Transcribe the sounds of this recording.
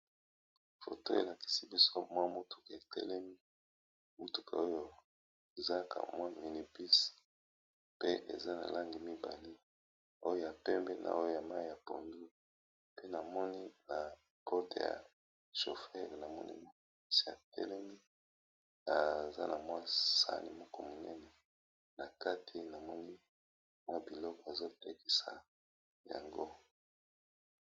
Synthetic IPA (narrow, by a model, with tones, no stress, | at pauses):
fo̰˨to̰˦ḛ˨la˨ki̥˨si˦bi˦so˦mwa˦mu˦tʰu̥˨ke˨tɛ̰˦lɛ˦mi˦ | u˦tu˨kʰa̰˨o˦jo˦ | e˨za˦kʰa̰˨mwa˦mi˨ni˨pi˦s | pe˦ʔḛ˨za˦na̰˨la˦ŋɡi˨mi˦ba˨li˦ | o˦jo˦ja˨pɛ˦mbɛ˦nʔa̰˨o˦jo˦ja˨ma˦i˦˨ja˨po̰˨ndu˦ | pe˦na˨mɔ˦ni˦na˨ | pʰɔ˦te˨ja̰˨ | ʃo˨fɛ˦ʁna˨mɔ̰˦nḭ˦ma˦˨i˦si˨a̰˨tɛ̰˦lɛ˦mi˦ | a˨za̰˦nʔa˨mwa˦sa̰˦nḭ˨mɔ˦kɔ˦mo˨nɛ̰˦nɛ˨ | na˨ka˦tʰi˨na˨mɔ˦ni˦ | mwa˦˨bi˨lɔ˦kɔ˨e˨zo˦te˦ki˨sa̰˨ | ja̰˨ŋɡo˦